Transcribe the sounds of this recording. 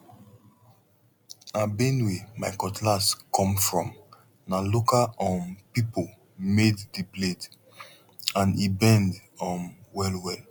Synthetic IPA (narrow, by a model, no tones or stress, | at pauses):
abẽnwemaɪkɔtʰlaskʰɔ̃mfɹɔ̃m | nalokaɔ̃npipo | meddiplet | ãnibɛ̃ndɔ̃nwɛlwɛl